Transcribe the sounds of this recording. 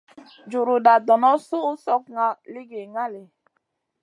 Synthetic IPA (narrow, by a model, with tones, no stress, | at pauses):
d͡ʒu˨ɾu˨da˨dɔ˨nɔ˦su˦u˦sɔ˦kŋa˦li˦ɡe˨ŋa˦le˨